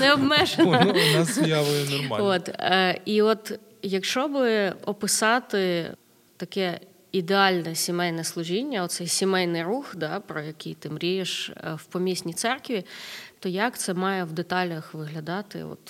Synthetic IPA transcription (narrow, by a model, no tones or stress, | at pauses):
nɛɔbmɛʒenɐjaʋʊjɛnɔrmot̪iɔt̪ | jɐkʃt͡ʃɔbɪɔpɪsɑt̪ɪ | t̪ɐkɛ | id̪eɑlʲnɛsʲimɛjnɛslˠʊʒinʲːɐɔt̪sɛjsʲimɛjnɪjruxd̪ɑpɾɔjɐkʲijt̪ɪmɾʲijeʃwpɔmʲisʲnʲit̪sɛrkʋʲit̪ɔjɐkt̪sɛmɑjɛwd̪et̪ɑlʲɐxʋɪɦlʲɐd̪ɑt̪ɪ̰ɔ̰t̪